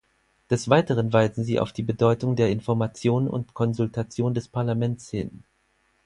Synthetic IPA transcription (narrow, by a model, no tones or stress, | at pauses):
d̥ɛsv̥aɪtəʁ̞ənvaɪzn̩ziːʔa̰ʊfd̥iːbədɔʏtʊŋdeːɐɪnfɔɐmat͡sjoːnʊ̰ntkʰɔnzʊltʰat͡sjoːndɛspʰaɐlamɛntshɪ̰n